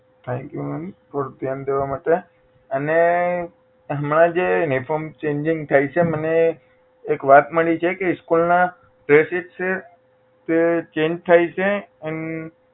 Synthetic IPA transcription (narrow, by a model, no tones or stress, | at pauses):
t̪ʰɛ̃ŋkjuməfɔɾut̪jand̪eʋamaʈ̪e | əne | ɦəmɳãd͡ʒenifʰɔmt͡ʃẽɲd͡ʒɪŋɡ̚t̪ʰajt͡ʃʰeməneː | kʋat̪məɭit͡ʃʰekeskulna | ʈɾeseʈt͡ʃʰe | t̪et͡ʃẽɲd͡ʒt̪ʰajt͡ʃʰeən